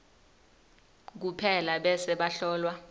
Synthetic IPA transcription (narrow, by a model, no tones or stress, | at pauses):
k̬upʰɛlaɓɛsɛɓaɬɔːlwa